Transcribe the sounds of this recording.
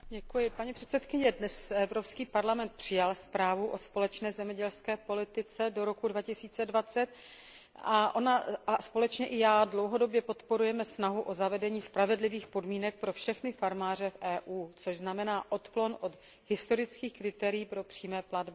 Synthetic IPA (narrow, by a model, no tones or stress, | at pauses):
ɟɛkujɪpaɲipr̥ɛ̥t̪sɛt̪kɪɲɛdnɛsɛvɾopskiːpaɾlamɛnt̪̚pr̝̥ɪjalspɾaːvuʔo̞spo̞lɛt͡ʃnɛːzɛmɲɛɟɛlskɛːpo̞lɪt̪ɪt͡sɛdo̞ɾo̞kudvacɪsiːt͡sɛdvat͡sɛt̪ | aʔonaaspo̞lɛt͡ʃɲɛʔɪjaːdlowɦo̞do̞bjɛpo̞t̪po̞ɾujɛmɛsnaɦuʔozavɛdɛɲiːspɾavɛdlɪviːxpo̞dmiːnɛk̚pɾo̞fʃɛxnɪfaɾmaːr̝ɛfʔɛːʔuːt͡soʒznamɛnaːʔo̞t̪klo̞nʔo̞t̪ | ɦɪst̪o̞ɾɪt͡skiːxkɾɪt̪ɛːɾɪjiːpɾopr̥iːmɛːpladbɪ